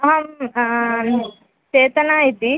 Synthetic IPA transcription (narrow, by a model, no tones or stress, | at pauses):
ɦɐm | t͡ʃeːt̪ɐnaːit̪i